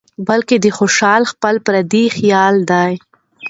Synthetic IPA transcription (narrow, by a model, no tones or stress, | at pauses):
balked̪əxoʃɑlxpəlpɾad̪ixjɑld̪aj